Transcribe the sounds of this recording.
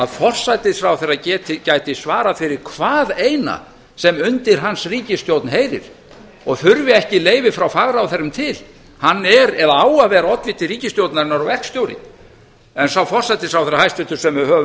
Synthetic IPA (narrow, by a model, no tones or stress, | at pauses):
aðfɔr̥sajt̪ɪsfɾawθɛrːacɛːt̪ɪcajt̪ɪsvaːɾafɪɾɪɾ̥kʰvaːðejna̰ | sɛmʏnt̪ɪɾ̥ɦansriːcɪst̪jowt̪nheːjɾɪ̰ɾ̥ | ɔɣfʏɾvɪɛhcɪleːjvɪfɾawfaɣɾawθɛɾːʏmt̪ʰɪl | hanːɛɾɛðaaːwavɛːɾaɔt̪lvɪt̪ɪriːcɪst̪jowt̪naɾɪnːaɾɔvɛrkst̪jowɾɪ̰ | ɛnsawfɔr̥sajt̪ɪsfɾawfθɛrːahajst̪vɪt̪ʏɾ̥sɛmvɪɾhœːvʏ